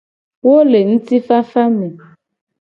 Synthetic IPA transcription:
wo˦le˨ŋ̩̃˦ti˦fa˦fa˦mẽ˨

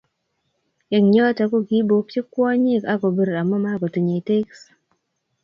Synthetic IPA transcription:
jɛ˨ŋɲɔ˦ta˨˦ko˦ɡi˦bo˨pe˦kwɔ˦ɲi˦˨ka˦ko˨be˨ɾa˨mːɔ˦ma˦ɡɔ˨tu˨ɲe˨i˨te˦ks

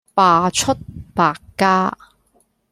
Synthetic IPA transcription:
paː˧t͡ʃʰɵ˥t̚paː˧kːaː˥

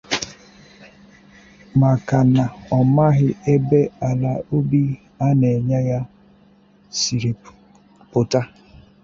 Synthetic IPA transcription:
ma˨ka˨na˨ɔ˨ma˦ɣɪ˦e˦be˦a˨la˨o˦bi˦ | a˦ne˨ɲa˦ja˦ | si˨ɾe˨ | pʊ˨ta˦

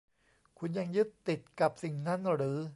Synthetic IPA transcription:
kʰu˧nja˧ŋjɯ˦˥t̪ːi˨˩t̪̚ka˨˩p̚si˨˩ŋna˦˥nɾɯː˩˦

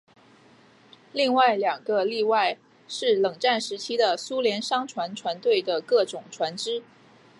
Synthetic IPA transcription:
li˥˧ŋwa˥˩ɪljɑ˨˩ŋɡə˦li˥˧wa˥˧ɪ | ʂɻ̩˥˩lɤ˨˩ŋʈ͡ʂa˥˩nʂɻ̩˧˥t͡ɕʰi˥d̪ə˨su˥ljɛ˧˥nʂɑ˥ŋʈ͡ʂʰwa˧˥nʈ͡ʂʰwa˧˥nt̪we˥˩ɪd̪ə˩kɤ˥˩ʈ͡ʂʊ˨˩ŋʈ͡ʂʰwa˧˥nʈ͡ʂɻ̩˥

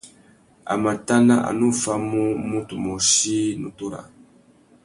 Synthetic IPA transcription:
a̰˨ma˨ta˦na˦ʔa̰˨nu˦˨fa˦mu˦mũ˦tu˨mo˨ʃi˦nũ˦tu˦ɾa̰˨

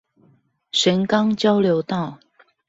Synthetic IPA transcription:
ʂə˨˧˥nkɑ˦ŋt͡ɕjɑ˥ʊljo˧˥ʊt̪ɑ˥˨ʊ

